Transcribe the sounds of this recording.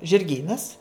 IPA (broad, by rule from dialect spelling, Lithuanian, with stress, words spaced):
ʒʲɪrʲˈɡʲiːnɐs